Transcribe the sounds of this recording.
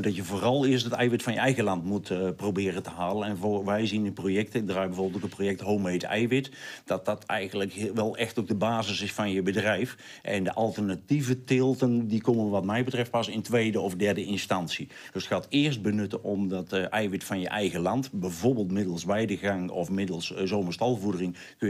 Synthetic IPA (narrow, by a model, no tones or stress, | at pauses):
dɑtjəvoːrɑlˠɪəstdətɛjʋɪtfɑnjəɛjɣəlɑntmutprowbɪːrəntəɦaːlənɛnvʋɛjzinəprojɛk̚təɪɡ̚draːjbɛjvoːblˠtokəprojɛk̚tɦowmejtɛ̰jʋɪtd̥ɑt̚dɑtʰɛjɣənləkʋɛlˠɛxtok̚dəbaːzɪsɪsfɑnjəbədrɛjf | ʔɛndəʔɑlˠtərnativətɪlˠtəndikomənʋɑtmɛjbətrɛft̚pɑsɪntʋejdəɔfdɛɹdəʔɪnstɑnsi | d̥østxaːtɪːrst̚bənʏtənʔɔmdɑtɛjʋɪtfɑnjəʔɛjɣəlɑntbɛjvorbəːlˠtmɪdəlˠsʋɛjdəɣaŋɔ̰fmɪdəlˠszoːməɹstɑlˠvudərɪŋ | kø